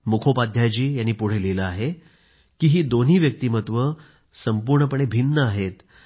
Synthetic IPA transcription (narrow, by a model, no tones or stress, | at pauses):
mukʰopad̪ʱjat͡ɕiːjanːiːpuɽ̤eliləaɦe | kiːɦiːd̪on̤iːʋjək̚t̪iːmət̪ʋə | səmpuɾɳəpəɳ̃ebʱinːəaɦet̪